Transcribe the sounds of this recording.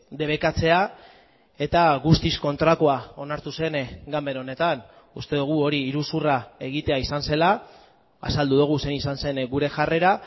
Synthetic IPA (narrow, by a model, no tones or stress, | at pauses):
d̪e̞β̞e̞kat͡se̞a | e̞t̪aɣust̪isko̞nt̪ɾako̞ao̞naɾt̪use̞nɡambe̞ɾo̞ne̞t̪an | ust̪e̞ðuɣ̞uo̞ɾiːɾusurae̞ɣ̞it̪e̞aisanse̞la | a̰sald̪uðuɣ̞use̞nisanse̞nɡuɾe̞ʝare̞ɾa